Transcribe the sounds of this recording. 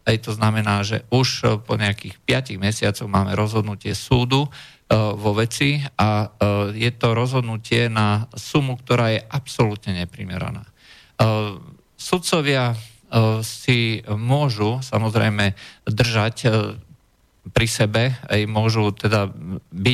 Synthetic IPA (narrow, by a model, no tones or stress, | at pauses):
ɛjt̪ɔznamɛnaːʒɛ̰ʔuʃpɔɲɛakixpɪaciɣmɛsɪat͡sɔɣmaːmɛɾɔzɦɔd̪nucɪɛsuːd̪u | ʋɔʋɛt͡siʔajɛt̪ɔɾɔzɦɔd̪nucɪɛnasumukt̪ɔɾaːjɛʔapsɔlut̪ɲɛɲɛpɾḭmɛ̰ɾa̰na̰ː | sut̪t͡sɔʋɪa | simʊɔʒusamɔzɾɛ̰jmɛd̪r̩ʒac | pɾisɛbɛɛ̰jmʊɔʒut̪ɛd̪abi